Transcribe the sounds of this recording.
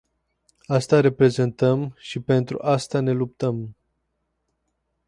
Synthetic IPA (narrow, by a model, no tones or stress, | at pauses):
ast̪aɾe̞pɾe̞ze̞nt̪əmʃipe̞nt̪ɾṵʔast̪ane̞lup̚t̪əm